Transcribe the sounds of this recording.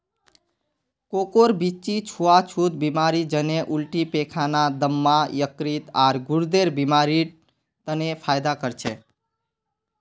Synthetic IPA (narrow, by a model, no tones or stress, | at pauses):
kokoɾbit͡ʃit͡ʃʰuat͡ʃʰut̪̚bimaɾid͡ʒəneʔulʈipekʰanad̪əmːajəkɾit̪aːɾɡʊɾd̪eɾbimaɾi | t̪ənepʰajd̪akəɾt͡ʃʰe